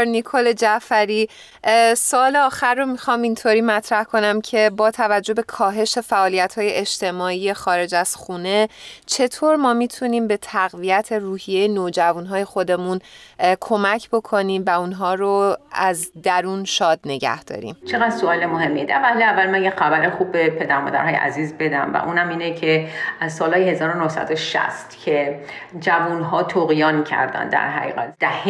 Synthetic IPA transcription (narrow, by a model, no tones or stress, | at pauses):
nikʰoled͡ʒæfæɾiː | soɒːleɒːxæɾːomixɒːmint̪ʰoːɾiːmæt̪ʰɾæhkʰo̞næmcʰe̞bɒːt̪ʰævæd͡ʒːo̞be̞kʰɒːɦe̞ʃe̞fæʔɒːlijæt̪hɒːje̞ʔed͡ʒt̪ʰe̞mɒːiːje̞xɒːɾe̞d͡ʒæz̥xuːne̞t͡ʃʰe̞t̪ʰoːɾmɒːmiːt̪ʰuniːmbe̞t̪ʰæɣvijæt̪ʰe̞ruːhijejenoːd͡ʒævuːnɦɒːje̞xo̞d̪e̞munkʰo̞mæcʰbo̞kʰo̞niːmvæunɦɒːɾoæzd̪æɾuːnʃɒːd̪ne̞ɟæ̰hd̪̥ɒ̰ːɾḭːmt͡ʃʰeɣæd̪̥soɒːlemoɦemːied̪ævæleævːælmænjexæbæɾexuːbːepʰe̞d̪æɾmɒ̰ːd̪æ̰ɾɦɒːjeʔæ̰ziːzbe̞d̪æmvæ̰ʔuːnhæmiːnecʰeʔæzsɒːlhɒːjehezɒːɾonohsæ̰d̪oʃæ̰st̪cʰe | d͡ʒævunɦɒːt̪ʰoɣijɒːncʰæ̰ɾd̪æ̰nd̪æ̰ɾɦæ̰ɣḭːɣæt̪d̪̥æh